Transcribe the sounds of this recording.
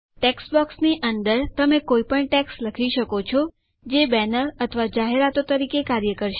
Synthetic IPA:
ʈeksbɔksniʔənd̪əɾt̪əmekoipəɳʈeksləkʰiʃəkot͡ʃʰɔ | d͡ʒebɛnəɾət̪ʰəʋad͡ʒaɦeɾat̪ot̪əɾikekaɾjəkəɾʃe

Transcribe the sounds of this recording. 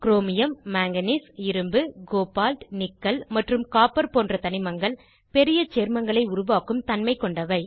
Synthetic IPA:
kɪɾoːmɪjɐmːaːŋɡɐnisɪɾɯmbɯɡoːpaːlʈnɪkːɐlmɐʈrɯmkaːpɐɾpoːndrɐt̪ɐnɪmɐŋɡɐɭ | pɛɾɪjɐt͡ʃeːɾmɐŋɡɐɭɐɪʊɾʊʋaːkɯmt̪ɐnmɐɪkːɔɳɖɐʋɐɪ

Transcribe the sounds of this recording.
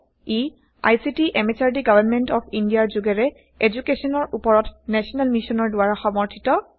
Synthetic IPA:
i | a̰jsitiʔɛmet͡ʃaɹdiɡabanmɛntɔpʰindijaɹzʊɡɛɹɛ | ed͡ʒukesɔnɔɹʔupɔɹɔtnɛsɔnalmisɔnɔɹdʊwaɹaxɔmɔɹtʰitɔ

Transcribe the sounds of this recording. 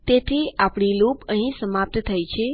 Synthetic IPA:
t̪et̪ʰiapɳilopəɦĩsəmap̚t̪t̪ʰajt͡ʃʰe

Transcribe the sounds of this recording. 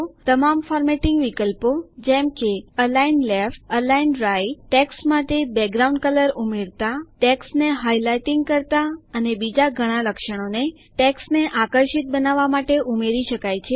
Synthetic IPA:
t̪əmamfɔɾmeʈiŋɡʋikəlpod͡ʒɛmkeəlainlefʈəlainɾajʈɛksmaʈ̪ebɛɡɾaũɳɖkələɾumeɾt̪aʈɛksneɦajlajʈĩŋɡkəɾt̪aənebid͡ʒaɡʱəɽ̃ãləkʃəɽ̃one | ʈɛksneʔakəɾʃit̪̚bənaʋamaʈeʔumeɾiʃəkajt͡ʃʰe

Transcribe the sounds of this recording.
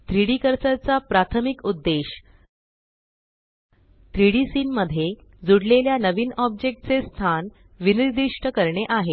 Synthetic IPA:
t̪ɾiɽikəɾt͡sət͡sapɾat̪ʰəmikud̪ːeɕ | t̪ɾiɽisiːnməd̪ʱjed͡zuɽleljanəʋiːnɔb̚d͡ʑek̚ʈ̚t͡sest̪ʰan | ʋiniɾd̪iʂʈəkəɾɳeʔaɦe

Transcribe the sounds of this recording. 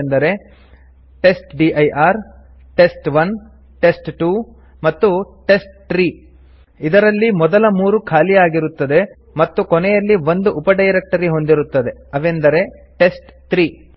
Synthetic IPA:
nd̪ɐɾe̞ | ʈe̞sʈɖiʔɐjʔaːɾ | ʈe̞sʈʋɐn | ʈe̞sʈʈuː | mɐt̪ːuʈe̞sʈ̚ʈɾiː | id̪ɐɾɐlːimɔd̪ɐlɐmuːɾukʰaːlijaːɡiɾut̪ːɐd̪e̞ | mɐt̪ːukɔnɛjɐlːiʋo̞nd̪uʔupɐɖɐjɾek̚ʈɐɾiɦo̞nd̪iɾut̪ːɐd̪e̞ɐʋend̪ɐɾe̞ʈe̞sʈt̪ɾiː

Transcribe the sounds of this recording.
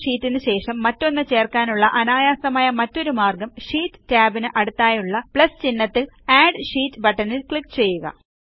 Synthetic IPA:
ʂiːtːinɨɕe̞ːʂɐmːɐtːo̞nːɨt͡ɕe̞ːrkaːnuɭːɐʔɐnaːjaːsɐmaːjɐmɐtːo̞ɾumaːrɡɐmʂiːtːɨ̥taːbinɨʔɐɽut̪ːaːjuɭːɐpɭɐst͡ɕinːɐt̪ːil | aːɖʂiːtːɨbɐʈːɐnilkɭikːt͡ɕe̞jːuɣɐ̰

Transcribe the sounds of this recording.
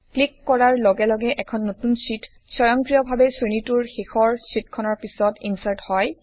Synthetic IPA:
klikːɔɹaɹlɔɡɛlɔɡɛʔɛkʰɔnːotunsit | sɔjɔŋkɹijɔbʱabɛsɹinituɹxexʰɔɹsitkʰɔnɔɹpisɔtinsaɹthɔj

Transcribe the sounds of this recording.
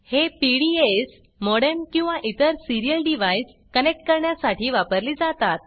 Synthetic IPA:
hepiɽies | mɔɽenkĩw̃ʋaʔit̪əɾsiɾijəlɖiʋajs | kənek̚ʈ̚kəɾɳjasaʈiːʋapəɾliːd͡zat̪at̪̚

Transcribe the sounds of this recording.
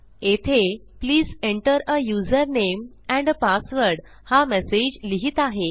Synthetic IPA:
et̪ʰepliːzeɳʈəɾəjuzəɾnem | ɛ̃ɳɖəpasʋəɾɽ | hamesed͡ʑliɦiːt̪aɦe

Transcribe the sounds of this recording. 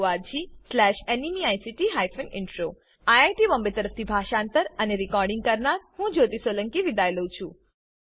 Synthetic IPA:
ʋad͡ʒislɛʃenimiajsiʈiɦajfənɪɳʈɾo | ajajʈiʋəmbet̪əɾəft̪ʰibʱaʃãnt̪əɾəneɾikɔɾɖĩŋɡ̚kəɾnaɾhũd͡ʒot̪isoləŋkiʋid̪ajləũt͡ʃʰũ

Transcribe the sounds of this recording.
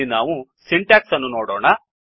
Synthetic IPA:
inaːʋusiɳʈaːksɐnːunoːɽɔːɳɐ

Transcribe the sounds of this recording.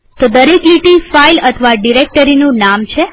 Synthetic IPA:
t̪od̪əɾekliʈifailət̪ʰəʋaɖiɾek̚ʈəɾinũnamt͡ʃʰe

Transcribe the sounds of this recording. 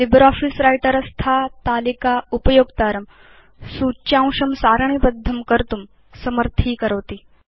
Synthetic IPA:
libɾɔfisɾajʈəɾɐst̪ʰat̪aːlikaupɐjoːɡt̪aːɾɐm | suːt͡ɕãw̃ʂɐmsaːɾɳ̃ibəd̪ʱːɐmkəɾt̪um | sɐməɾt̪ʰiːkəɾəʋt̪iː

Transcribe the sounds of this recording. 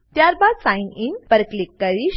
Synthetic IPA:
t̪jaɾbad̪sãininpəɾəklikːəɾiɕ

